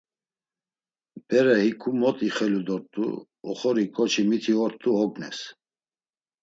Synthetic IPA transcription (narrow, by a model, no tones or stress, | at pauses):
b̥ɛɾɛhikʰumɔt̪ʼiχɛlud̪ɔɾt̪ʼṵ | ɔ̰χɔɾikʼɔt͡ʃʰimit̪ʰiɔɾt̪ʼuɔɡnɛ̰s